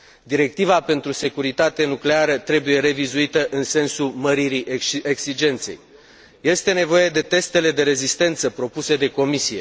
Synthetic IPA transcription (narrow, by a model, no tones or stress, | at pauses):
d̪iɾe̞k̚t̪ivape̞nt̪ɾuse̞kuɾit̪at̪e̞nukleaɾət̪ɾe̞buje̞ɾe̞vizuit̪əʔɨnse̞nsuməɾiɾiʔeɡsid͡ʒe̞nt̪se̞̰j | je̞st̪e̞ne̞vo̞je̞d̪e̞t̪e̞st̪e̞le̞d̪e̞ɾe̞zist̪e̞nt̪səpɾo̞pused̪e̞ko̞misije̞